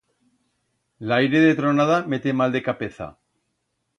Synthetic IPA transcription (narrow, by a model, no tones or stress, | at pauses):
lajɾe̞ðet̪ɾonaðame̞t̪e̞mald̪e̞kapeθa̰